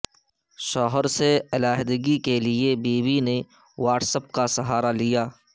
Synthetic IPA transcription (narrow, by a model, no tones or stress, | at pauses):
ʃɔːɦəɾseɐlaːɦd̪əɡikeliebiːbine | waːʈsəp̚kasɐɦaːɾalijaː